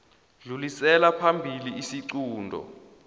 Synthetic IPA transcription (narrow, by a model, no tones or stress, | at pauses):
ɮulisɛlapʰambʱiliːsiǀuːndʱɔ̰